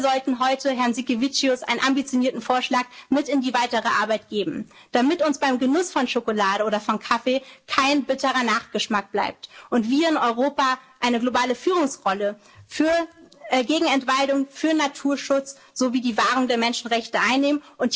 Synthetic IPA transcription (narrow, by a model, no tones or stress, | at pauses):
zɔltn̩ɦɔʏtəɦɛɐnzikivit͡ʃiʊsʔaɪnənʔambit͡sjoniːɐtn̩foːɐʃlaːkmɪtɪndiːvaɪtəʁəʔaɐbaɪtɡ̥eːbm̩d̥amɪtʊnsb̥aɪmɡənʊsfɔnʃokolaːɾəʔoːdɐfɔnkʰafekʰaɪnbɪtəʁɐnaːχɡ̥əʃmak̚b̥la̰ɪp̚tʔʊntv̥iːɐɪnɔʏʁoːpaʔaɪnəɡlobaːləfyːʁ̞ʊŋsʁɔlə | fyːɐɡeːɡŋ̩ɛntv̥aldʊŋfyːɐnatʰuːɐʃʊt͡s | z̥oviːdiːvaːʁʊŋdeːɐmɛnʃn̩ʁɛçtəʔaɪnːeːmənʔʊnt